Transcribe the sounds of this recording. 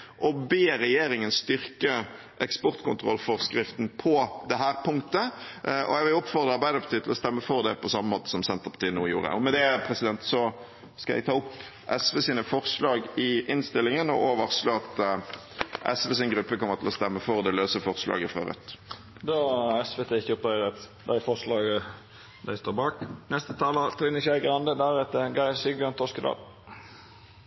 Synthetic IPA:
ʔɔbeːɾɛjeːɾɪŋənst̪ʏɾkə | ʔɛkspɔɾt̪kʰʊnt̪ʰɾɔ̰lfɔɾskɾɪft̪npʰɔd̪ɛɦæːɾpʰʊŋkt̪əɔ̰jɛɡʋɪlɔpfɔʁd̪ʁəɑɾbæɪd̪əɾpʰɑt̪iːt̪ɪlɔst̪ɛmːəfɔɾd̪ɛpʰɔsɑmːəmoːt̪ə̥sɔmsɛnt̪əʁpʰɑ̥t̪iːənuːjṵːɾə̰ɔmɛd̪ɛpʰɾɛsɪd̪ɛnt̪sɔ | skɑjɛ̰ɡt̪ʰɑːʊp | ʔɛsʋɛsiːnəfɔɾslɑːɡɪʔɪnst̪ɪlːɪŋənɔʔoːʋəʁsloːɑt̪ | ʔɛ̰sʋɛs̬ɪnɡʁʉpːəkɔmːəʁt̪ɪlɔst̪ɛmːəfɔʁd̪ɛløːsəfɔʁslɑ̰ːɡəfʁœ̰ʁœ̰t̪ | d̪ɑɛsʋɛt̪ʰeːɪçːəʊp̪̚æɪɾɛt̪d̪æɪfɔʂlɑːɡə | d̪æ̰ɪst̪oːbɑːknɛst̪ət̪ʰɑːlət̪ʰɾɪnəçæɪɡʁɑnd̪əd̪æɾɛt̪ːəɡɑɪsiɡbjønt̪ʰɔskəd̪ɑ̰ːl

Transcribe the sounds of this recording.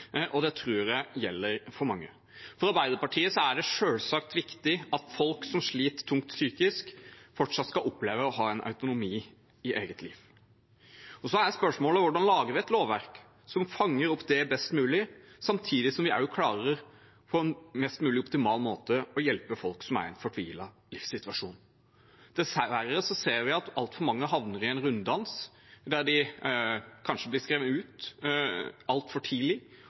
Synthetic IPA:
ʔɔd̪ɛt̪ʰɾuːjæjɛlːəɾfɔɾmɑŋːə | fɔɾɑɾbæɪd̪əɾpɑʈʰiːəsɔæɖɛʂøːlsɑk̚t̪ʋɪkt̪ɪɑt̪fɔlksɔmʂɭiːt̪t̪ʰːʊŋkt̪syːkɪskfɔʈʂɑt̪ːskɑlʔɔpleːʋəɔɦɑːɛnʔɑ̰ʉt̪ʊnʊmiː | ɪʔeːɡət̪ʰliːʋ | ɔsɔæjæspœʂmoːlɔʋʊɖɑnlɑːɡəɾʋɪɛt̪loːʋʋæɾk | sɔmfɑŋːəɾʊpːd̪ɛbɛst̪mʉːlɪsɑmt̪ʰiːd̪ɪsɔmʋɪæɾjʊkʰlɑːɾəɾəɾ | pʰɔɛnmɛst̪mʉːlɪɔpt̪ɪmɑːlmoːt̪əɔjɛlpəfɔlksɔmæ̰ɾɛ̰nfɔʈʰʋiːlɑ | lɪfsɪt̪ʋɑʂṵːn | d̪̥ɛsææɾəsɔseːɾʋɪɑt̪ɑlt̪fɔɾmɑŋːəɦɑʋnəɾɪɛnɾʉnd̪ɑns | d̪æɾdɪ | kʰɑnʂəblɪskɾeːʋənʉːt̪ | ɑlt̪fɔʈʰiːlɪ

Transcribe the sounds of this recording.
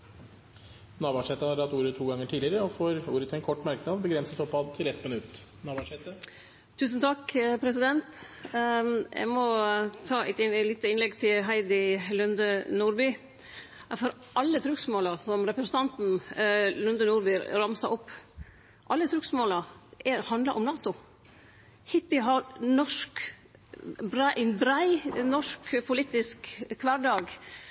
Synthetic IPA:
nɑːʋɑʂɛt̪ːəhɑʈ̪ɑt̪ːuːɾət̪ʰːuːɡɑŋːəʈʰiːd̪ɪɾəɔfoːɾuːɾət̪ʰɛnkʰɔʈːmæɾknɑd̪bəɡɾɛnsət̪ɔpːɑd̪t̪ʰɪlɛt̪ːmɪnʉt̪ː | nɑːʋɑʂɛt̪ə | t̪ʰʉːsn̩t̪ʰɑkpʰɾɛsɪd̪ɛnt̪ | jʔæ̰ɪmɔt̪ʰɑːæ̰ɪt̪liːt̪əɪnlɛɡt̪ʰɪlɦæɪd̪ɪlʉnd̪ənuːɾby | fɔɾ | ʔɑlːət̪ʰɾʉksmoːlɑsɔmɾɛpɾɛsən̩t̪ʰɑnt̪n̩lʉnd̪ənuːɾbyɾɾɑmsɑʔɔpː | ʔɑlːət̪ʰɾʉksmoːlɑʔɛhɑnd̪ləɾʔɔmnɑːt̪ʊ | hɪt̪ɪɦɑɾnɔʂk | bɾʔɛnbɾæɪnɔʂkpʰʊlit̪ɪskʰːʋɑɖɑːɡ

